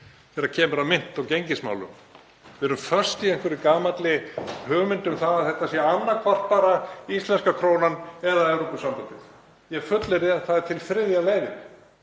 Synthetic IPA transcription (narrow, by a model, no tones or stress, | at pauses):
θɛɾacʰɛːmʏɾaðmɪn̥t̪awcejɲcɪsma̰wlʏ̰m | vɛɾʏmfœr̥st̪ieŋ̥kvɛɾɪkaːmat̪lɪhœːɣʏmɪnt̪ʏmθaðaðθɛht̪asjɛanːakʰvar̥t̪̚paɾaist̪lɛnskakʰɾoːwnanɛðaɛwɾopʏsampɔnt̪ɪθ | jɛɣfʏt̪lɪɾɪaθaðɪɾ̥t̪ʰɪlfɾɪðjaleːjvɪɾ